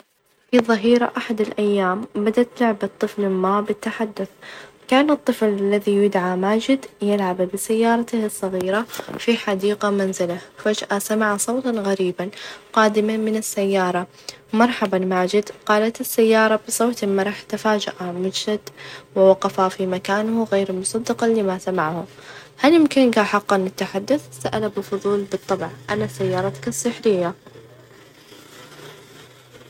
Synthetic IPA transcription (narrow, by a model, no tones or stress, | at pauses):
fiðˤɨɦiːɾa̰ʔaħad̪ɪlʔajːaːmbad̪aʔt̪lʊʕbat̪ˤːɨflɪmːaːbɪt̪ːaħad̪ːʊθ | kaːnɨt̪ˤːɨflalːaðijʊd̪ʕamaːd͡ʒɪd̪jɪlʕabbɪsajːɑːɾˤɑt̪ɪhɨsˤːɑɣiːɾafiħad̪iːqamanzɪlafad͡ʒʔasamaʕasˤowt̪ɑɣaɾiːbanqɑːd̪ɪmamɪnɪsːajːɑːɾˤɑ | mɑɾˤħɑbanmaʕːd͡ʒɪd̪qɑːlat̪ɪsːajːɑːɾˤɑbɨsˤoːt̪ɪmːaɾˤɑːħt̪afaːd͡ʒaʔamɪnʃad̪wɪwɑqɑfafimakaːnhɣeːɾlmʊsˤɑd̪ːɑqɑlːimasamaʕhʊ | haljɪmkɪnɡaħɑqːɑnɪt̪ːaħad̪ːʊθsaʔalabɪlfʊðˤuːlbɨt̪ˤːɑbʕʔanasajːɑːɾˤɑt̪kasˤːɨħɾɪjːa